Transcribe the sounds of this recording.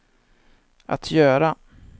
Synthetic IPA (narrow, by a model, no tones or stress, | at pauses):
ʔa̰t̪ʰjœːɾa